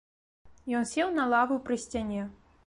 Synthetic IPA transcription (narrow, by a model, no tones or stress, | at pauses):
jɔnsʲɛwnɐlˠavɨpɾɨsʲt͡sʲanʲɛ